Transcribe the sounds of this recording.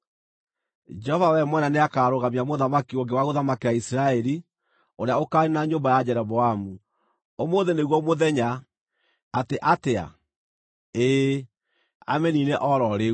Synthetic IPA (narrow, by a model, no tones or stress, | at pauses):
d͡ʒɛhɔvawɛmwɛnaneakaːɾoɣamiamoðamakioŋɡewaɣoðamakewaisiɾaɛɾi | oɾeaokaɾinaɲombajad͡ʒɛɾɔβɔamu | omoːðeneɣwɔmoðɛɲaː | teʔatea̰ | e | a̰mɛnineʔɔɾɔɾe